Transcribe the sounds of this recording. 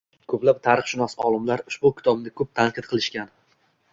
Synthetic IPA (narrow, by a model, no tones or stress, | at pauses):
kʰɵplap̚t̪ʰaɾɨχʃʊnasɒlˠɪmlaɾʊʃbʊkʲʰɪ̥t̪ʰɒb̚nɪkʰɵp̚t̪ʰaɴqʰɨt̪̚qʰɨlˠɪʃkʲan